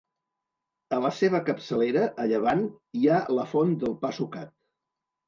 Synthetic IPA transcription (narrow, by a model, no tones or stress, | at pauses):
ələseβ̞əkəpsəleɾəʔəʎəβ̞an | ialəfond̪əlˠpasukat̪̚